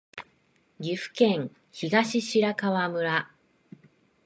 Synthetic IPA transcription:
ɡʲiɸɯ̟̥kẽ̞ŋ | çiɡaɕiɕiɾakaβamɯ̟ɾa

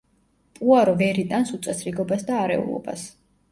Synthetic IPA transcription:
pʼuaɾɔvɛɾit̪ʼansut̪sʼɛsɾiɡɔbasd̪aːɾɛ̰ṵlˠɔ̰ba̰s

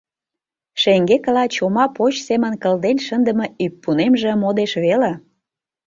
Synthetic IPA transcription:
ʃeŋɡekəlɑt͡ɕomɑpot͡ɕsemə̆nkə̆ld̪enʃənd̪əmə̆yp̚pːunemʒĕmod̪eʃβele

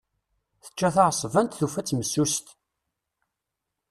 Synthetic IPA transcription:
θə̥t͡ʃːæθaʁsˤvænt̪θufæt͡sːməsːust̪

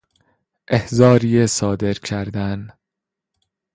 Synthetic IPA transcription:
ʔehzɒːɾiːesɒːd̪e̞ɾcʰæɾd̪æn

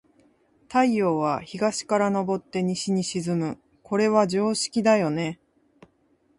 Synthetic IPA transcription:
t̪aijo̞ːβaçiɡaɕi̥kaɾano̞bo̞t̪ːe̞ɲ̟iɕiɲ̟iɕizɨmɯ | ko̞ɾe̞βad͡ʑo̞ːɕi̥kʲid̪ajo̞ne̞

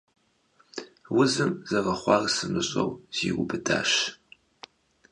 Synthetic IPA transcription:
wʊzɨmzɐʁɐχʷɑːrsɨmɨɕʼɐ̰wz̥iːwʊbɨdaːʃ

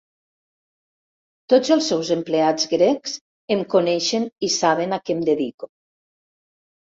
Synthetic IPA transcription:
t̪od͡zəlˠsːɛwzemplead͡zɡɾɛks | emkunɛʃenisaβenakɛmd̪eðiku

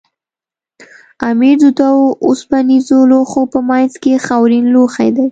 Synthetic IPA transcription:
amiɾd̪ʊd̪aoʊspanizoloxopəmajnzkexawɾinloxa̰jd̪aj

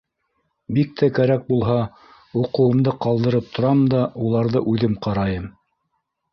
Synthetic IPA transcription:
bik̚t̪ʰækæɾæk̚bulˠɦɑ | uqɤ̆wɤ̆md̪ɤqɑlˠd̪ɤ̆ɾɤp̚t̪ʰŏɾɑmd̪ɑʔulˠɑɾðɤʔʉðɘmqɑɾɑjɤm

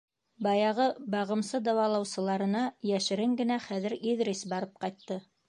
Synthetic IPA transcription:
bɑjɑʁɤbɑʁɤ̆msɤd̪ɑwɑlˠɑwsɤ̆lˠɑɾɤ̆nɑjæʃɘ̆ɾɘŋɡɘ̆næχæðɘ̆ɾiðɾesbɑɾɤp̚qɑjt̪ːɤ

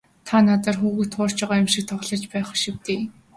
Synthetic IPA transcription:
t̪ʰanat̪ə̆rxuːɣɘ̆t̪χʊːr̥t͡ɕɔʁajamʃĭk̚t̪ʰɔχɮɞ̆t͡ɕpæːχʃiwt̪eː

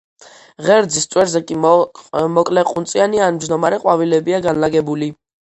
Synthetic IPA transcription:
ʁɛɾd̪zist̪sʼwɛɾzɛkʼi | mɔkʼlɛqʼunsʼianianmd͡ʒd̪ɔmaɾɛqʼwavilɛbiaɡanlaɡɛbuli

